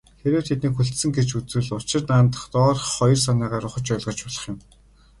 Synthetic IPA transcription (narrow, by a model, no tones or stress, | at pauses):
xeɾĕːwt̪ʰet̪niːkxuɬt̪sɘ̆ŋɡet͡ɕut͡sɘ̆ɮʊt͡ɕɪ̆rnaːnt̪ə̥̆χt̪ɔːrχɔjɞ̆rs̬anæːʁaːɾʊχə̆t͡ɕœːɮʁɞ̆t͡ɕpɔɮə̥̆χjʊ̆m